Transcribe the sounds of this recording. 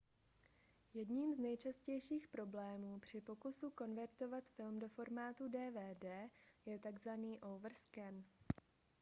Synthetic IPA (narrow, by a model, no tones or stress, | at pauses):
jɛdɲimznɛjt͡ʃascɛjʃiːxpɾo̞blɛːmuːpr̝̥ɪpo̞kusuko̞nvɛɾt̪o̞vat̪fɪlmdo̞fo̞ɾmaːt̪udɛːvɛːdɛːjɛt̪aɡzvaniːʔowvr̩skɛn